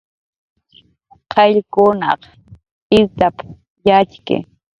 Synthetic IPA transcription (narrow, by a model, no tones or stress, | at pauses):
qʰɑʎkʊnɑ̰q | ɪɾt̪ap | jat͡ʃkɪ̰